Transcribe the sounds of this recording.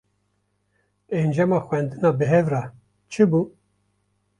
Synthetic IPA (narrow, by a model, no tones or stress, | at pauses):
end͡ʒɛmɑːxwɛnd̪ɨnɑːbɨɦɛvɾɑ | t͡ʃʰɨbuː